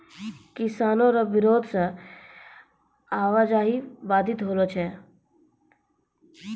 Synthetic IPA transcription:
kɪsaːnõɾɐʋɪɾoːd̪ʱse | aːʋaːd͡ʒaːɦiʋaːd̪ɪt̪ɦoːlot͡ʃʰe

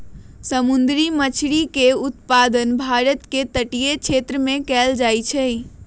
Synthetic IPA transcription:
səmund̪ɾimət͡ʃʰɾikeut̪pad̪ənbʱaɾət̪ket̪əʈijet͡ʃʰet̪ɾəmekɛld͡ʒajt͡ʃʰə

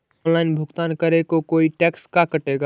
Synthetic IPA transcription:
nlaɪnbʱʊɡt̪aːnkəɾekokoːiʈɛkskakəʈeɡa

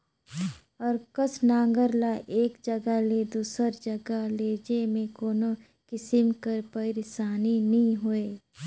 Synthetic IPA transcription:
ɔːɾkəsnãːŋɡəɾlaʔeːkd͡ʒɐɡaled̪uːsəɾd͡ʒɐɡaleːd͡ʒemẽkoːno | kɪsɪmkəɾpəɪɾɪsaːninɐɦĩɦoeː

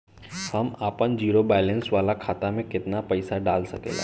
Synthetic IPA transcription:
hɐmaːpənd͡ʒiːɾobɛːlɛ̃nsʋaːlakʰaːt̪amẽkɪt̪napɐɪsaɖaːlsɐkḛːla̰ː

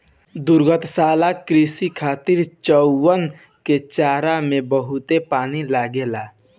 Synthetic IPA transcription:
d̪ʊɾɡət̪ʰsaːlakɾisikʰaːt̪ɪɾt͡ʃəːən | ket͡ʃaːɾamẽbəɦʊt̪epaːnilaːɡelaː

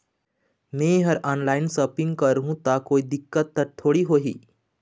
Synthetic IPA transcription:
mẽɦɐɾaːnlaːɪnsəːpɪ̃ŋɡkəɾɦũt̪akoːid̪ɪkːət̪ːəɾt̪ʰːoːɽiɦoːɦḭː

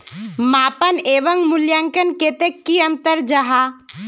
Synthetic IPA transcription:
maːpəneːʋəŋɡmʊljaːŋkənkeːt̪ekːiɐ̃nt̪əɾd͡ʒɐɦaː

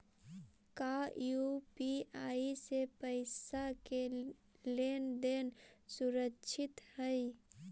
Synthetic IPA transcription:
kajupiaːisepəɪsake | lend̪ensuɾəkːʃʰɪt̪həj

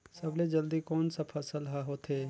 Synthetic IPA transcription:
sɐbled͡ʒɐld̪ikɔːnsapʰɐsəlɦaɦoːt̪ʰeː

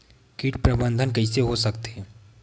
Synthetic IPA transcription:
kiːʈpɾɐbə̃nd̪ʱənk̬ɐiseɦosɐkt̪eɦɛ̃ː

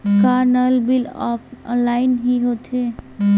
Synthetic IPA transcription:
kaːɾnəlbɪlɔ̰fʰlaːɪnɦiɦoːt̪ʰe

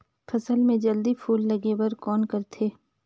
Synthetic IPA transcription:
fʰɐsəlmẽd͡ʒɐld̪ipʰuːlːɐɡewɐɾkɔːnkɐɾt̪ʰeː

